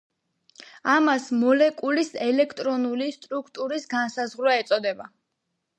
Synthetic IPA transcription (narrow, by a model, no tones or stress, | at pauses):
amasmɔlɛkʼulisɛlɛkʰt̪ʼɾɔnulist̪ʼɾukʰt̪ʼuɾisɡansazʁɾwɛɛt̪sʼɔd̪ɛba